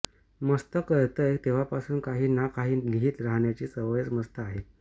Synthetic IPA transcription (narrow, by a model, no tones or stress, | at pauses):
məst̪əkəɾt̪əet̪eʋ̤apasuːnkaɦiːnakaɦiːliɦiːt̪ɾaɦɳjat͡ɕiːsəʋəjət͡sməst̪əaɦe